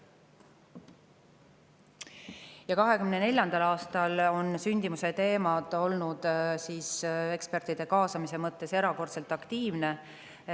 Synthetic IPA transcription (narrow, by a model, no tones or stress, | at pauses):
jɑkɑɦe̞kymnene̞lʲjɑnd̪ɑlɑːst̪ɑlo̞nsynʲd̪̥imuse̞t̪e̞ːmɑd̪̥o̞lnud̪̥siːse̞kspert̪ːˑid̪̥e̞kɑːsɑmise̞mɤt̪ːe̞se̞ɾɑko̞rt̪se̞lt̪ːˑɑkt̪iːvne̞